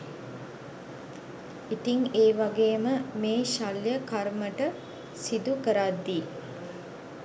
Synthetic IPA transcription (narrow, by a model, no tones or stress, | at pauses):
it̪iŋeːʋaɡeːməmeːʃaljəkaɾməʈə | sid̪ukəɾad̪ːiː